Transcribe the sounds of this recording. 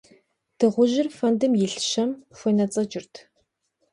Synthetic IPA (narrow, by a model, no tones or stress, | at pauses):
d̥ɨʁʷʊʒɪrfɐndɨmjɪɬʃɐmɕʷenɐt͡sʼɐd͡ʒɪrtʰ